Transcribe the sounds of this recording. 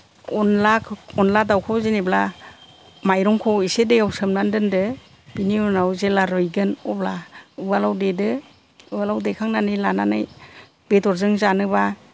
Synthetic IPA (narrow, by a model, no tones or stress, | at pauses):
ɔnlakʰɔnladawkʰɔzenebla | majɾɔŋkʰɔisedɯjawsɯmnandɯndɯ | b̥iniunawzelaɾɯjɡɯnɔblaɯbalawdedɯ | ɯalawdekʰaŋnanɯjlananɯj | betɔɾzɯŋzanɯba